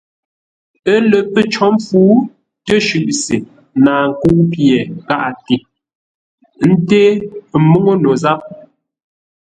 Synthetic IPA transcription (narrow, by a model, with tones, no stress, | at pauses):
ə˦lə˨pə˦t͡ʃɔ˦m˦fuː˨˦ | tə˦ʃʉ˨ʔse˨ | naː˨ŋ̩˨ku˦pjɛ˨ka˦ʔa˨ti˨ | n̩˦te˦˨˦mo˦ŋo˦no˨za˦p̚